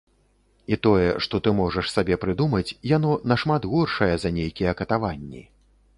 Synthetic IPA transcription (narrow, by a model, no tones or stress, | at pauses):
it̪ɔjɛʂt̪ɔt̪ɨmɔʐɐʂsabʲɛpɾɨd̪umɐt͡sʲjan̪ɔnɐʂmat̪ɣurʂɐjɛzɐnʲejkʲijɛkɐt̪avanʲːḭ